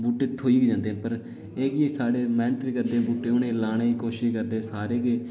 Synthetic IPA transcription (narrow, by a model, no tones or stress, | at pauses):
buːʈːeːt̪ʰoːiːɡid͡ʒãːnd̪eːɦːpəɾ | eːkiːesaːɽeːmɛ̃ːnt̪ɾiːkəɾd̪ẽːbuːʈːeːʊnẽːlaːɽeːiːkoːʃɪʃkəɾd̪eːsaːɾeːke